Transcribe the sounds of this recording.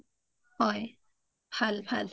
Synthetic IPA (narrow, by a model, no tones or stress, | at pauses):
hɔj | pʰalpʰal